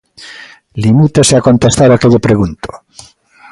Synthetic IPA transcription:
limit̪oseako̞nt̪est̪aɾakeʎopɾeɣunt̪o̥

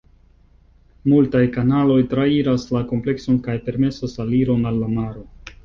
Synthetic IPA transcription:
multajkanalo̞jtɾaiɾaslako̞mple̞kso̞nkajpe̞ɾme̞sasaliɾo̞nalːamaɾo̞

